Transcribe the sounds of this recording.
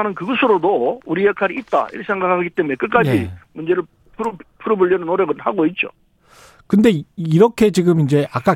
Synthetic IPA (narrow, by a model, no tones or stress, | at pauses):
anɯnkɯɡʌsʰɯɾodouɾijakʰaɾiit̚t͈a̰ḭɾɯisʰeŋɡakʰaɡit͈e̞mune̞k͈ɯk͈ajimund͡ʑe̞ɾɯɭ | pʰuɾpʰuɾobɯɭːʌnɯnoɾjʌɡɯnhaɡoit̚t͡ɕ͈o̰ | kɯnde̞iɾʌkʰe̞t͡ɕiɡɯmind͡ʑe̞ak͈a